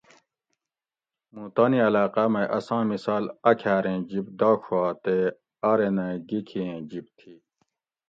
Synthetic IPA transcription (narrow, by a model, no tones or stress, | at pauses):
muːt̪aniɐlaːqamɐjʔɐsãːmisaːlɐkʰaːɾẽːd͡ʑibd̪aːkʰuaːt̪e | ɐɾenẽɡikʰiẽːd͡ʑib̚t̪ʰiː